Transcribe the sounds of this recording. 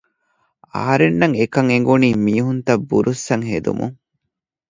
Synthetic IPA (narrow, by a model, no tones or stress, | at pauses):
ɐ̰ɦɐɾenːɐŋekɐŋeŋ̆ɡuniːmiːɦunt̪ɐbːuɾusːɐŋhed̪ṵmṵŋ